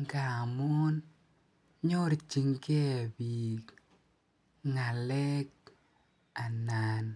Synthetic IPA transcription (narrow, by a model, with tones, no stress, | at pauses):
ŋka˨mɔ˦n | ɲo˦ɾt͡ʃi˨ŋke˦a˨bi˨k | ŋa˨lɛ˦k̚ | a˨na˨n